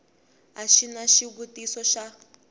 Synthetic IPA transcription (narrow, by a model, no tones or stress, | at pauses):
aʃinaʃiβutisɔʃa